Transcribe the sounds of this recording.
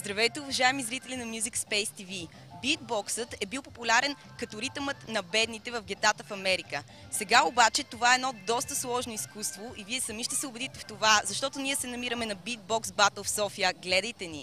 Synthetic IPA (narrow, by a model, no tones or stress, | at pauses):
zd̪ɾɐvɛjt̪ɛʊvɐʒaɛmizɾit̪ɛlʲinɐmjuzikspɛjst̪ivi | bit̪̚bɔksət̪ɛbilˠpopulʲaɾɛn | kɐt̪oɾit̪əmət̪nɐbɛd̪nit̪ɛvəvɡʲɛt̪at̪əfɐmɛɾikə | sɛɡaobat͡ʃɛt̪ovaɛːd̪nɔd̪ɔst̪əslˠɔʒnoiskust̪voʔiviɛsɐmiʃt̪ɛsɛʊbɛd̪it̪ɛft̪ovazɐʃt̪ɔt̪oniɛsɛnɐmiɾəmɛnɐbid̪̚bɔksbat̪əlˠfsɔfijəɡlɛd̪əjt̪ɛnḭ